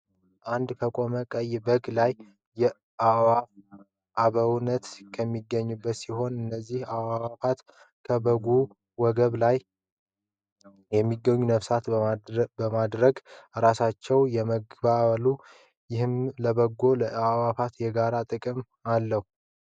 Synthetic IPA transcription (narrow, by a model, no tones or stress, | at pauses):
ʔand̪kʰəkʼo̞məkʼəjbəɡlajː | ɛ | awa | ʔaβəwnət̪kʰəmːiɡəɲːubːət̪siho̞nɨnːəzːihawawafat̪ | kʰəbəɡu | wɔɡəβlaj | jɛmːiɡəɲːunəfsat̪bəmad̪ɾəɡɾasat͡ʃːɛwjɛməɡbaβlu | jɪhɨmləbəɡːo̞ləawafat̪jɛɡaɾat̪ʼɨkʼɨm | alːəhu